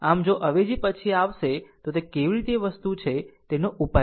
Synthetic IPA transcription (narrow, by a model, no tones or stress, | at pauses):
amd͡ʒoʔəʋed͡ʒipət͡ʃʰiaʋʃet̪ot̪ekeʋiɾit̪eʋəst̪ut͡ʃʰet̪enoʔupa